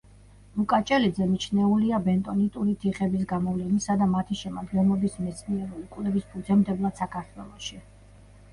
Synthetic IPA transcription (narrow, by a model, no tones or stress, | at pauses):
lukʼat͡ʃʼɛlid̪zɛmit͡ʃʰnɛuliabɛnt̪ʼɔnit̪ʼuɾit̪ʰiχɛbisɡamɔvlɛnisad̪amat̪ʰiʃɛmad̪ɡɛnlˠɔbismɛt̪sʼʰniɛɾuukʼwlɛvispʰud̪zɛmd̪ɛblˠat̪sakʰaɾt̪ʰwɛlˠɔʃi